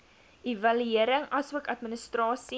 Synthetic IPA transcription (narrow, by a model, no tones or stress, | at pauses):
ʔivɐlyiəɾəŋɐsuəkɐtminəstrɑːsi